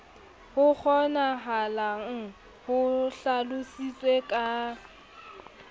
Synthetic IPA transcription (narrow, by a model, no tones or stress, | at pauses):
hʊk͡xʰɔnaɦalaŋ̩ | hʊɬalʊsit͡sʼwekʼa